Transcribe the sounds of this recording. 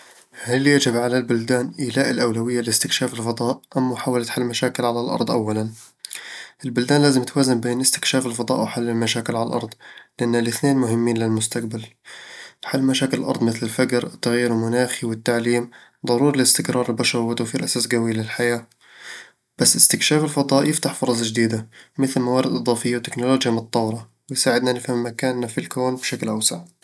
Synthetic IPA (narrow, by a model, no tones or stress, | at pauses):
haljad͡ʒɪbʕalalbʊld̪aːnʔiːlaːʔɪlʔawlawɪjːalɪɪst̪ɪkʃaːfɪlfɑd̪ˤɑːʔʔamːʊħaːwalat̪ħalːmaʃaːkɪlʕalalʔɑ̰ɾˤd̪ˤʔa̰wːalan | ʔɪlbʊld̪aːnlaːzɪmt̪waːzɪmbeːnʔɪst̪ɪ̥kʃaːfɪlfɑd̪ˤɑ̰ːʔwɪħalːɪlmaʃaːkɪlʕala̰lʔɑ̰ɾˤd̪ˤlɪʔanːalɪθneːnmʊhɪmːiːnlɪlmʊst̪aqbal | ħalːmaʃaːkɪlɪlʔɑ̰ɾˤd̪ˤmɪθlɪlfaɡɾɪt̪ːaɣjiːɾwmʊnaːxiwɪt̪ːaʕliːmd̪ˤɑɾuːɾˤlɪst̪ɪkɾɑːɾˤɪlbaʃɑɾˤwɪt̪awfiːɾʔasaːsɡawiːlɪlħajaː | b̥asːɪst̪ɪkʃaːfɪlfɑd̪ˤɑːʔjɪft̪aħfʊɾˤɑs̬ˤʒd̪iːd̪amɪθlmawaːɾɪd̪ʔɨd̪ˤɑːfɪjːawt̪ɪknʊloːd͡ʒjamʊt̪t̪ˤːɑwɾˤɑ | wɪjsaːʕɪd̪nanɪfhammːakaːnːafɪlkoːnbʃaklʔawsa̰ʕ